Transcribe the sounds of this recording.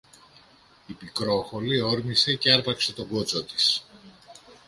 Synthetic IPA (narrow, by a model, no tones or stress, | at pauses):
ipikɾo̞xo̞lio̞ɾmise̞ceɐɾpɐkse̞t̪o̞ɡot͡so̞t̪i̥s